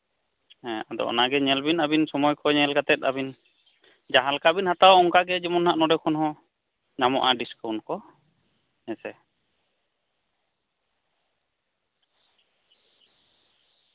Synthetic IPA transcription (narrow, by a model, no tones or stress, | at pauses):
ɛ̃ad̪ɔ̰ʔɔ̰naɡɛɲɛlbinabinsɔmɔjkʰɔjɲɛlɡat̪ɛt̪̚abin | d͡ʒaɦalkabinhat̪awɔŋkaɡɛd͡ʒimɔnhaʔnɔdɛkʰɔnhɔ̃ | namɔʔaɖiskawnkɔ | nɛsɛ